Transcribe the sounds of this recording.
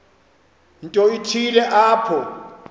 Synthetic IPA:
n̩tʼɔitʰilɛʔaːpʰɔ

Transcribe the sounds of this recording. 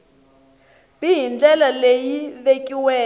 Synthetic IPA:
bijind͡ɮɛlalejiβekʼiwɛː

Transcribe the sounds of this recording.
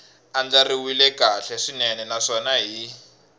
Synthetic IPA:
and͡ɮariwilɛkaɬɛʂinɛnɛnaʂɔnaɦi

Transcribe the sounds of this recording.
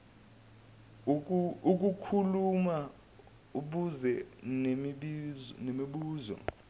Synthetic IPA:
uk̬ukʰuluma | uɓuzɛnemɓinemiɓuːzɔ̰

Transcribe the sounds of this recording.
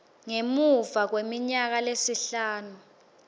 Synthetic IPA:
ŋemuvak̬wemiɲak̬alesiɬaːnu

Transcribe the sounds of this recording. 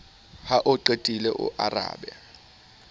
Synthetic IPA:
haʔʊǃetʼilɛʔʊ̰ʔara̰ːɓɛ

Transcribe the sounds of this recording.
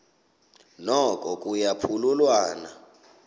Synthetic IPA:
nɔkʼɔkʼujapʰululwaːna

